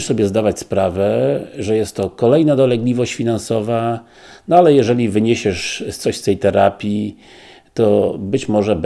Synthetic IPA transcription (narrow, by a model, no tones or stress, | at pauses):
ʂsɔbʲjɛzd̪avat͡ɕspɾavɛʐɛjɛst̪ːɔkɔlɛjnad̪ɔlɛɡlʲivɔɕt͡ɕfʲinansɔva | nɔalɛjɛʐɛlʲivɘɲeɕɛʂst̪sɔɕst̪ɛjt̪ɛɾapʲji | t̪ɔbɘt͡ɕmɔʐɛb